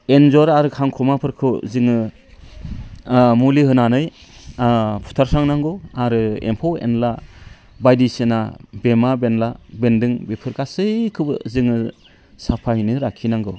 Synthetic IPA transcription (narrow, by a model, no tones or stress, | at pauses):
enzɔɾaɾɯkʰaŋkʰɔmapʰɯɾkʰɯzɯŋɯ | mulihɯnanɯj | pʰu̥tʰaɾsaŋnaŋɡɯaɾɯḛmpʰɔwḛnla | bajdisenabemabenlabendɯŋbipʰɯɾkasɯjkʰɯbɯ̰zɯŋɯ | sapʰajnɯɾakʰinaŋɡɯ